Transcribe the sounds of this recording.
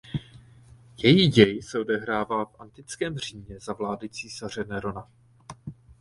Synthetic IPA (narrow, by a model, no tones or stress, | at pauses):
jɛjiːɟɛjsɛo̞dɛɦɾaːvaːfʔant̪ɪt͡skɛːmr̝̥iːɲɲɛzavlaːdɪt͡siːsar̝ɛnɛɾo̞na